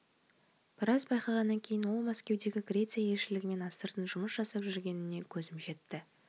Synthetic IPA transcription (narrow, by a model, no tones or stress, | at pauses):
b̥ɪɾɑzbɑjqɑʁɑnːɑŋkʲʰejɪnwo̞lˠmæskʲe̞wd̪e̞ɡʲɪɡrʲɾʲe̞t̪sɨijae̞lʃɪlɪɡʲɪme̞nɑsəɾt̪ənʒʊməsʒ̥ɑsɑpʒʏɾɡʲe̞nɪne̞kʲʰɵzɪmʒe̞t̪ːɪ